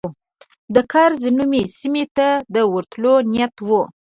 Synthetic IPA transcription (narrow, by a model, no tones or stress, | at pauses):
d̪əkɑɾzənumesimet̪ad̪əwəɾt̪lonijat̪wu